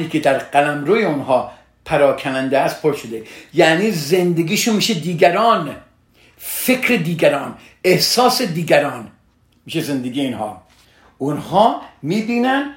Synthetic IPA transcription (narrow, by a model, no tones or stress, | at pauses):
iːkʰed̪æɾqælæmɾoːjeonɦɒː | pʰæɾɒːkʰænænd̪eæst̪̚pʰoɾʃod̪ejæʔniːzend̪eɡʲiːʃunmiːʃed̪iːɡæɾɒːn | fe̞kʰɾed̪iːɡæɾɒːn | ehsɒːsed̪iːɡæɾɒːn | miːʃeze̞nd̪eɡiːjeinhɒ̰ː | ʊnhɒːmiːbiːnæn